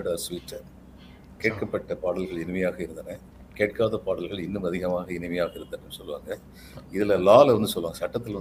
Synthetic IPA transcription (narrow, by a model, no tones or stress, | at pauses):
ɽaːsiːʈːɐ | keːʈ̚kɐpːɐʈːɐpaːɽɐlɣɐɭɪnɪmɐjaːɣɐɪɾɯnd̪ɐnɐ | keːʈ̚kaːðɐpaːɽɐlɣɐɭɪnːɯmɐðɪɣɐmaːɣɐɪnɪmɐjaːɣɐɪɾɯnd̪ɐnːɯnːɯsɔlːɯʋa̰ːŋɡɐ | ɪðɪlɐlaːlɐʋɐnd̪ɯsɔlːʋaːŋɡɐsɐʈːɐt̪ːɪlʋɐn